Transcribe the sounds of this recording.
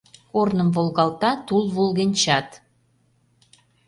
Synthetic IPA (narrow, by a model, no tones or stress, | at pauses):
kornəmvolˠɣɑlt̪ɑt̪ulˠβolɣenʲt͡ɕɑt̪